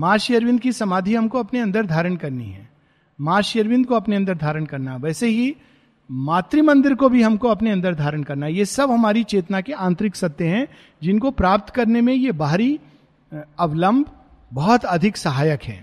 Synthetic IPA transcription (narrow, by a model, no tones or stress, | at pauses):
maːʃjəɾʋɪ̃nd̪kisɐmaːd̪ʱiɦɐmkoɐpneɐ̃nd̪əɾd̪ʱaːɾəɽ̃kɐɾnḭɦɛ̰̃ː | maːʃəɾʋɪ̃nd̪̚koɐpneɐ̃nd̪əɾd̪ʱaːɾəɽ̃kɐɾnaɦɛʋɛːseɦi | maːt̪ɾimɐ̃nd̪ɪɾkobʱiɦɐmkoɐpneɐ̃nd̪əɾd̪ʱaːɾəɳkɐɾnaɦjesɐbɦɐmaːɾit͡ʃeːt̪nakeãːnt̪ɾɪksɐk̚t̪eɦɛ̃ | d͡ʒɪnkopɾaːp̚t̪kɐɾnemẽjebaːɾi | ɐʋlə̃mbʱ | bɐɦɔt̪ɐd̪ʱɪksɐɦaːjəkɦɛ̰ː